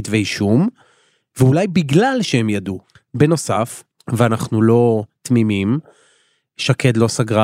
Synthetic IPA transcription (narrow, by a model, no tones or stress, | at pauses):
t̪veiʃum | veulajbiɡlalʃehemjadu | beno̞sa̰f | veanaχnulo̞t̪mimim | ʃaked̪lo̞saɡʁa